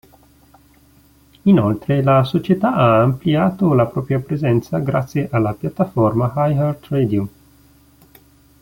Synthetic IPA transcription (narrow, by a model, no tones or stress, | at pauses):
inolt̪ɾelasot͡ʃet̪aaːmpliaːt̪olapɾɔːpɾjapɾezɛnt̪saɡɾa̰t̪sːjeʔalːapjat̪ːaformahajart̪ɾed̪ium